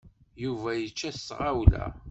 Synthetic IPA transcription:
juvæjət͡ʃːæssʁawlæ̰

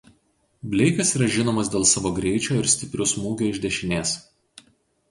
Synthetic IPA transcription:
bʲlʲɛɪkɐsiːɾɐʒʲɪnoːmɐsd̪ʲeːlˠsɑːʋoːɡɾʲɛɪt͡ʃʲoːɪɾsʲt̪ʲɪpʲɾʲʊsmuːɡʲoːɪʒʲd̪ʲɛʃʲɪnʲeːs

